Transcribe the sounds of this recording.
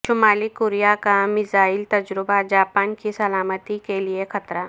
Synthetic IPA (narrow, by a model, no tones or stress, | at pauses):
ʃʊmaːlikoːɾijakamɪzaːɪlt̪ɐd͡ʒɾɪbad͡ʒaːpaːnkisɐlaːmət̪ikeliexɐt̪ɾaː